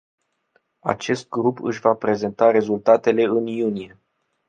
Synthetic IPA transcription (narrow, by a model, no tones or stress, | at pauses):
a̰t͡ʃe̞st̪̚ɡɾupɨ̰ʃʲvapɾe̞ze̞nt̪aɾe̞zult̪at̪e̞le̞ɨnjunije̞